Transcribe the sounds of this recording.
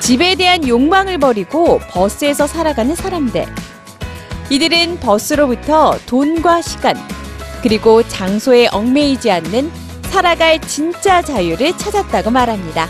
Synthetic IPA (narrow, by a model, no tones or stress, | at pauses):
t͡ɕibe̞de̞ɦanjoŋmaŋɯɭpʌɾiɡopʌs͈ɯe̞sʰʌsʰaɾaɡanɯnsʰaɾamde̞̰ | idɯɾɯnpʌs͈ɯɾobutʰʌtonɡwaɕʰiɡankɯɾiɡot͡ɕaŋsʰoe̞ʔʌŋme̞id͡ʑianːɯn | sʰaɾaɡaet͡ɕint͡ɕ͈ad͡ʑajuɾɯɭt͡ɕʰad͡ʑat̚t͈aɡomaɾɦamɲida